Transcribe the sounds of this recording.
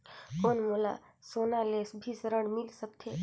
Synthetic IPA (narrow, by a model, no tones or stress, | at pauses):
onmola̰soːnaleːsbʱisəɾəɳmɪlsək̚t̪ʰeː